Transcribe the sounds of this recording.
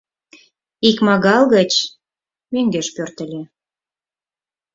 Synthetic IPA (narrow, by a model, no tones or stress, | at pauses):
ikmɑɣɑlɣə̆t͡ɕ | meŋɡeʃpørt̪ə̆lʲe